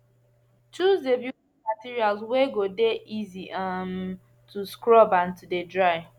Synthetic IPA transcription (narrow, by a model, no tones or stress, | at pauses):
t͡ʃuzdebju | matiɹialzweɡodeʔiziʔam | tʰuskɹɔbãntudedɹaɪ